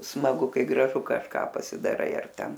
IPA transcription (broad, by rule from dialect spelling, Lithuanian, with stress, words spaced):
smɐˈɡʊ ˈkɐɪ ɡrɐˈʒʊ kɐʃˈkɑː pɐsʲɪdɐˈrɐɪ ɐr ˈtʲɛn